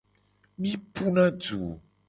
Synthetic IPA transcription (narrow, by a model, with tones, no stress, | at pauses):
mĩ˦pu˦nã˦d͡ʒṵ˨